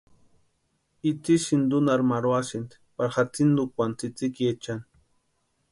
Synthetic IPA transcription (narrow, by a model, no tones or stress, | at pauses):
it͡siʃind̪unaɾmaɾwasint̪ | paɾχat͡sind̪ukʷant͡sit͡sikjet͡ʃan